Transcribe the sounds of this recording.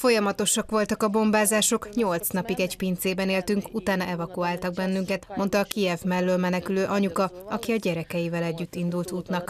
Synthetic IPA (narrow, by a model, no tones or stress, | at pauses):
fo̞jɒmɒt̪o̞ʃɒkʋo̞lt̪ɒkɒbo̞mbaːzaːʃo̞kɲo̞lt̪snɒpiɡɛɟpint̪seːbɛneːlt̪yŋkut̪aːnɒʔɛvɒkuaːlt̪ɒɡ̚bɛnːyŋkɛt̪mo̞nt̪ɒːkiɛvmɛlːøːlmɛnɛkyløːʔɒɲukɒɒkiɒɟɛɾɛkɛjivɛlɛɟːyt̪ːind̪ult̪uːt̪nɒk